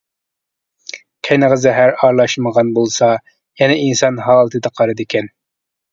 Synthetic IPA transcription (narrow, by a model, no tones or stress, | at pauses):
kʲʰæjnɨʁəzɛɦæɾɑɾlˠɑʃməʁɑnbolˠsɑ | jɛnɛinsɑnɦɑːlˠɨt̪ʰɨd̪ɑqʰɑɾɨd̪ɪkʲʰɛn